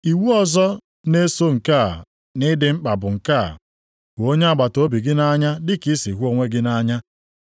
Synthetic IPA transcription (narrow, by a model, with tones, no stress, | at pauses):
i˨wu˦ɔ˨zɔ˦ | ne˦so˦ŋ̩˨kaː˦˨ | nɪ˦dɪ˦ŋ͡m̩˦k͡pa˨bʊ˨ŋ̩˨ka̰˦˨ | ko˦ɲe˦a˦ɡ͡ba˨to˦bi˨ɡɪ˦na˦ɲa˦dɪ˦ki˦si˨ɦu˦o˦ŋʷe˦ɡɪ˦na˦ɲa˦